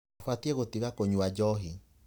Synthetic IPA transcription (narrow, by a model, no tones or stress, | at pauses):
fwatiɛɣotiɣakoɲuad͡ʒɔɦi